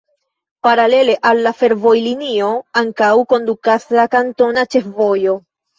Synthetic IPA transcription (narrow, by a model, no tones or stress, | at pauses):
paɾale̞le̞ʔalːafe̞ɾvo̞jlinio̞aŋkawko̞ndukaslakanto̞nat͡ʃe̞fvo̞jo̞